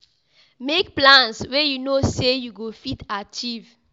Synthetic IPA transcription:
mek̚plãnswɛjunosejuɡofitat͡ʃiv

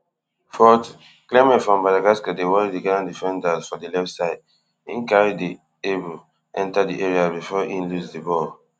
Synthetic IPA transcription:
fɔt | klemɛ̃tfɹɔ̃mbadaɡaskadewɔɹidiɡalãndifɛ̃ndasfɔdilɛftsaɪd̚ | ḭ̃nkaɹidi | ebu | ʔɛ̃ntadiʔɛɹiabifɔʔĩnlusdibɔ

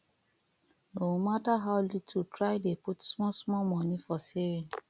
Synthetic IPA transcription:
nomataɦaʊlitʰutɾaɪdeputsmɔsmɔlmɔnifɔsevin

